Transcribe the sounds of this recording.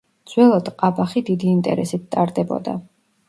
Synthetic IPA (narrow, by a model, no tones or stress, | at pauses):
d̪z̥wɛlˠɔd̪qʼabaχid̪id̪iːnt̪ʼɛ̰ɾɛsit̪̚t̪ʼaɾd̪ɛbɔ̰d̪a̰